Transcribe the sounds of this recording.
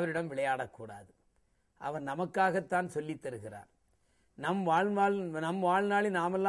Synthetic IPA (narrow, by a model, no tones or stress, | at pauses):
ʋɐɾɪɽɐmʋɪɭɐjaːɽɐkːuːɽa̰ːðɯ | ʔɐ̰ʋɐɾnɐmɐkːaːɣɐt̪ːaːnsɔlːɪt̪ːɐɾɯɣɪra̰ːɾ | nɐmʋaːɻnaːɭnɐmʋaːɻnaːɭɪnaːmɛlːa